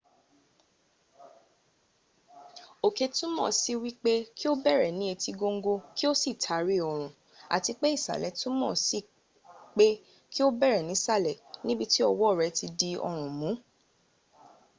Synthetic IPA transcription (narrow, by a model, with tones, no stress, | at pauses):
o˨ke˨˧tũ˦mɔ̃˦˨si˦wi˦k͡pe˦kʰi˦o˦bɛ˦˨ɾɛ˨nĩ˦e˧ti˧ɡo˧ŋ̩˦ɡo˧ki˦o˦si˦˨tʰa˨˦ɾi˦ɔ˨ɾ̃ũ˨ | a̰˨ti˧k͡pe˦i˦˨sa̰˨lɛ˨˦tũ˦mɔ̃ː˦˨si˦˨ | k͡pe˦ | ki˦o˦bɛ˦˨ɾɛ˨nĩ˨˦sa˦˨lɛ˨nĩ˦bi˦˧ti˦ɔ˧wɔ˦˨ɾɛ˨˧˦ti˧di˧ɔ˧ɾ̃ũ˨mũ˨˦